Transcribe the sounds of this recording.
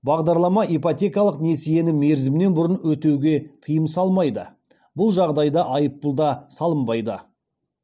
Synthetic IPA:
bɑʁd̪ɑɾlˠɑmɑipot̪ʲe̞kiɑlˠəqne̞seje̞nɪme̞ɾzɪmne̞nbʊɾənwɵt̪e̞wɡʲe̞t̪ʰəjəmsɑlˠmɑjd̪ə̰ | bʊlˠʒɑʁd̪ɑjd̪ɑʔɑjəpːʊlˠd̪ɑsɑlˠəmbɑjd̪ə̰

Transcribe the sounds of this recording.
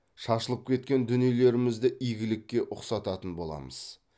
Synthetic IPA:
ʃɑʃəlˠəp̚kʲʰe̞t̪̚kʲe̞nd̪ʏnijele̞ɾɪmɪzd̪ɪʔijɡʲɪlɪkʲːe̞ʔʊqsɑt̪ɑt̪ənbo̞lˠɑ̰məz̥

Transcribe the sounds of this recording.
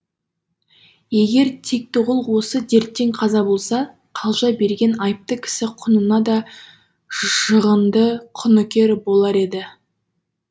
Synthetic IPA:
je̞ɡʲe̞ɾt̪ʰe̞k̚t̪ʊʁəlˠwo̞səd̪e̞ɾt̪ːe̞ŋqʰɑzɑbo̞lˠsɑ | qʰɑlˠʒɑbe̞ɾɡʲe̞nɑjp̚t̪əkʲʰɪ̥sɪqʰʊnənɑd̪ɑ | ʒ̥əʁənd̪əqʰʊnʊkʲe̞ɾbo̞lˠɑɾe̞d̪ɪ

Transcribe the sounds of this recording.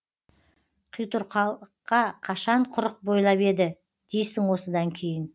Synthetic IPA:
qʰijt̪ʊɾqʰɑqɑqʰɑʃɑɴqʰʊɾəq̚bo̞jlˠɑpe̞d̪ɪ | d̪̥e̞jsɪŋwo̞səd̪ɑŋkʲʰe̞jɪn

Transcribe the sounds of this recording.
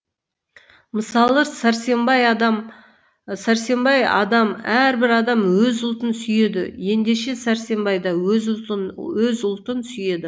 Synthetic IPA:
məsɑlˠəsæɾse̞mbɑjɑd̪ɑm | sæɾse̞mbɑjɑ̰d̪ɑmæɾbɪɾɑd̪ɑmwɵzʊlˠt̪ənsʏje̞d̪ɪ̰je̞nd̪e̞ʃe̞sæɾse̞mbɑjd̪ɑ | wɵzʊlˠt̪ənsʏje̞d̪ɪ

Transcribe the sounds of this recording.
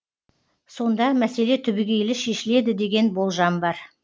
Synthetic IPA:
so̞nd̪ɑmæse̞le̞t̪ʰʏbɪɡʲe̞jlɪʃe̞ʃɪle̞d̪ɪd̪e̞ɡʲe̞nbo̞lˠʒɑmbɑɾ

